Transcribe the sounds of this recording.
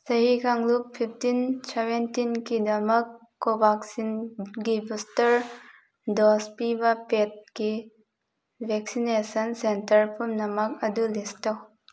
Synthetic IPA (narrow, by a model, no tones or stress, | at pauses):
sɐɦikʰaŋlup̚pʰip̚ʰtinsebentinkidɐmɐkː | obaksinɡibustɐɾ | dɔspibɐpet̚ki | bʱɛksinesɐnsentɐɾpʰumnɐmɐk̚ɐdulistɐw